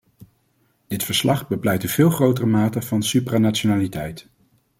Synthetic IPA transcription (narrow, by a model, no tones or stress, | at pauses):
d̥ɪtfəɹslɑχbəplɛjtəv̥ɪːlˠχrowtərəmaːtəvɑnsypraːnat͡ʃonaːlitɛjt